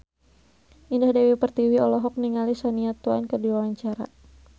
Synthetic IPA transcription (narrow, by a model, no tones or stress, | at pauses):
ʔindahdawipərt̪iwiɔlɔɦɔk̚niŋalisaniat̪uankərdiwawaɲt͡ʃaɾa̰